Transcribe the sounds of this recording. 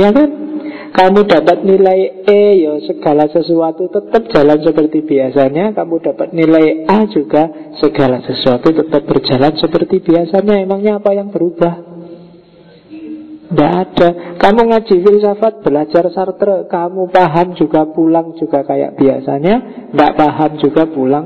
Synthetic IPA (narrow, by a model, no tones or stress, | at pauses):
jakan | kamuda̤pat̪̚nilajejasəɡ̥a̤lasəsuat̪ut̪ət̪əp̚ʒ̥a̤lansəpərt̪ib̥iasaɲakamud̥a̤pat̪̚nilaiʔad͡ʒuɡ̥asəɡ̥alasəsuat̪ut̪ət̪əp̚bərd͡ʒa̤lansəpərt̪ib̥iasaɲaemaŋɲaːpajaŋb̥əɾub̥ah | ndaʔad̥akamuŋḁd͡ʒ̥ifɪlsafat̪̚b̥əlad͡ʒarsart̪ɾəkamupaɦamd͡ʒuɡ̥apulaŋd͡ʒuɡ̥akaja̰ʔb̥iasa̰ɲaŋɡa̰ʔpaɦamd͡ʒuɡapulaŋ